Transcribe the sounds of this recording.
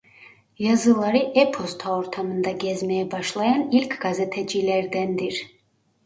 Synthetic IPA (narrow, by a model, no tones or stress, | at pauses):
jazɨlˠaɾiʔɛpʰɔst̪ʰaɔɾt̪ʰamənd̪aɡɛzmɛːbɑʃlˠajanilkʰɡazɛt̪ʰɛd͡ʒilɛɾd̪ɛnd̪iɾ